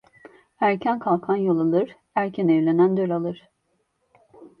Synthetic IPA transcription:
æɾcʰænkʰalˠkʰanjolˠalˠɯɾ̥ | æɾcʰænɛvlʲenænd̪ølʲalˠɯɾ̥

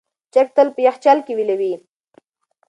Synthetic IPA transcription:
t͡ʃak̚t̪əlpəjaxt͡ʃalkewilawi

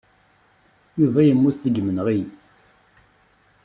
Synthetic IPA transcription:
juvæjəmːuθθəɡmənʁi

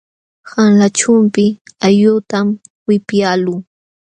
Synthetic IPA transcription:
haŋlat͡ʃʊmpɪajʊt̪am | wɪpjaluː

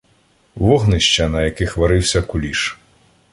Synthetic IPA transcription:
vɔɣnɨɕʲt͡ɕɐnɐjakʲixʋaɾɨwsʲɐkulʲiʂ

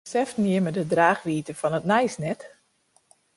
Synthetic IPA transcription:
sɛftniəmədədraːxʋiːtəfɔnətnɛjsnɛt

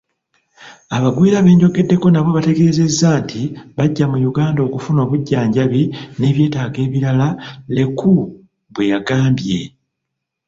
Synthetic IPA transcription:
aβaɡwiːɾaβe̞ːɲɟo̞ɡe̞dːe̞ko̞naβwo̞βate̞ɡe̞ːze̞zːaːntʰiβaɟːamujuɡaːndo̞ːkufuno̞ːβuɟːaːɲɟaβine̞ːβje̞ːtaːɡe̞ːβiɾalale̞ku | βwe̞jaɡaːmbje̞

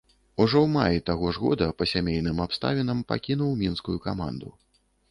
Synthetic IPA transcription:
uʐɔwmajit̪aɣɔʐɣɔ̰d̪ɐpɐsʲamʲejn̪ɨmapst̪a̰vʲinɐmpa̰kʲin̪uwmʲinskujukama̰nd̪ṵ

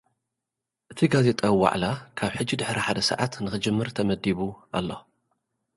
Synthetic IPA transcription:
ʔɨt̪ʰiɡaze̞t̪ʼawwa̰ʕlakʰaβħɨd͡ʒːid̪ɨħɾiħad̪ɐsɨ̰ʕat̪nɨxɨd͡ʒɨmːɨɾt̪ʰɐmɐd̪iβuʔa̰lːo̞

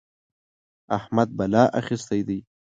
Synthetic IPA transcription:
ahmad̪̚balɑːʔaxist̪ajd̪ij

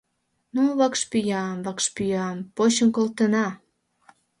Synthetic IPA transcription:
nuβɑkʃpyjɑmβɑkʃpyjɑmpoɕənkolt̪ənɑ

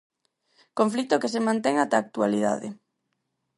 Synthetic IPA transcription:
koɱflit̪ʊkesemãnt̪ɛŋat̪aːk̚t̪ualiða̰ðɪ̰

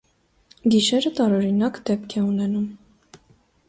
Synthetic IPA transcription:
ɡiʃɛɾət̪ɑɾɔɾinɑkd̪ɛp̚kʰɛunɛnum

